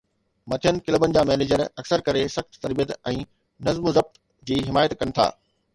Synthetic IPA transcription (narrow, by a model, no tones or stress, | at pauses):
mɐt̪ʰijənɪ̆kɪləbənɪ̆d͡ʑaːmɛːneːd͡ʑəɾɐksəɾkɐɾesɐxt̪t̪ɐɾbijət̪ɛ̃ː | nɐzmʊzɐb̚t̪ | d͡ʑiːɦɪmaːjət̪kɐnɪ̆t̪ʰa̰ː